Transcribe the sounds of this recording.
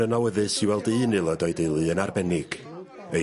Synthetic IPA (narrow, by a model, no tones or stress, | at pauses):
ənawəðɨsiwɛlˠdɨnɨlˠɔdɔɨdejlˠɨənarbɛnɪɡ̥ | ə